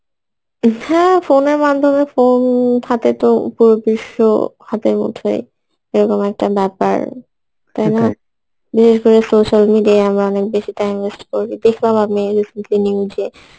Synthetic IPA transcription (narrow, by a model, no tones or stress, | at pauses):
hɛ̃foneɾmad̪ʱomefont̪ʰat̪et̪opuɾobiʃːo̰hat̪eɾmo̰t̪ʰḛj | eɾɔkomɛk̚ʈabɛpa̰ɾ | t̪ajna | biʃeʃkoɾesoʃalmiɖiaamɾaɔnek̚beʃiʈajmesʈkoɾbid̪ekʰlamamiɾisenʈliniud͡ʑe